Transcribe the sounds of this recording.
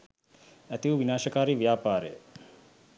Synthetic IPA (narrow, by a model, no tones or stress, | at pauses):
æt̪iuʋinaːʃəkaːɾiʋjaːpaːɾəjə